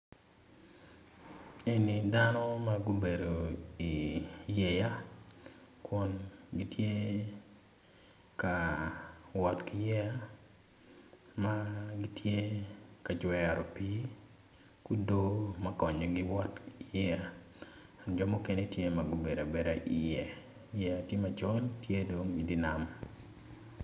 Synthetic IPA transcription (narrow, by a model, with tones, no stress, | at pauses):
e˦ni˨da˦nɔ˦ma˦ɡu˦be˨do˨i˨je˨ja˦ | kwɔ˦nɡi˦tje˦ | ka˨ | wɔ˨tki˨jɛ˦ja˦ | ma˦ɡi˦tje˦ka˨d͡ʒwɛ˨ɾɔ˨pi˦ | ku˦do˦ma˦kɔ˨ɲɔ˨ɡɪ˦wɔ˦ti˨jɛ˦ja˨ | nd͡ʒɔ˦mo˦ke˦ne˦tje˦ma˨ɡo˨be˨ɾa˨be˨ɾa˨ʔi˨je˨ | jɛ˨ja˨tje˦ma˨t͡ʃɔ˦ltje˦do˨ŋɡidi˦na˨m